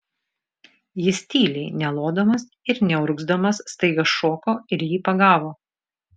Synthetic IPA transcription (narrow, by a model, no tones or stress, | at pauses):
jɪsʲt̪ʲiːlʲɛɪnʲɛlˠoːd̪omɐs | ɪɾnʲɛʊɾʊɡzd̪ɐmɐsːt̪ɐɪɡɐsʃoːkoːɪɾjiːpɐɡɑːʋoː